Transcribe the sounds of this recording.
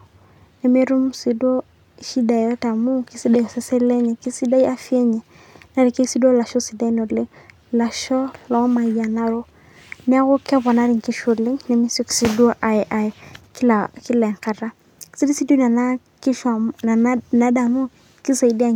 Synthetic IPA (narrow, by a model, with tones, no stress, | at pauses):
nɛ˨me˦ɾu˦msi˨do˦ | i˨ʃi˦da˨ɔ˦ta˨mu˦ki˦si˦da˨sɛ˦sɛ˦le˦ɲɛ˨ki˦si˦da˦ja˦fi˦e˦ɲɛ˨ | na˦ɾi˨ke˦si˦do˦la˨ʃɔ˦si˨da˦i˦no˨li˦ŋ | la˨ʃɔ˦lɔ˨˦ma˨ja˨na˦ɾo˦ | nɛ˦a˦ko˦ka˦bɔ˨na˦ɾi˨ŋki˦ʃu˨li˦ŋne˨mi˦so˦ki̥˨si˦do˦ʔa˨ɛ˨ʔa˨ɛ˨ki˦la˨ki˦la˨ŋka˨ɾa˦ | ki̥˦si˦di˦si˦du˦na˨na˦ | ki˦ʃna˨na˦da˨mu˦ | ki˦sa˨i˨da˦˨